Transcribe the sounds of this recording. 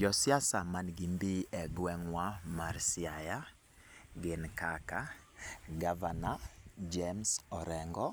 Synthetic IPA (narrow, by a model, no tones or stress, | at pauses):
d͡ʒɔsjasamanɡimbiɛɡwɛŋwamaɾsɪaja | ɡɪnkaka | ɡavanad͡ʒɛmsɔɾɛŋɡɔ